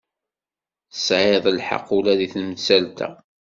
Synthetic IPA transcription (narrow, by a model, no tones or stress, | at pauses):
θsʕeðˤəlħɑ̰qːulæðiθnəmət͡sːælt̪æ̰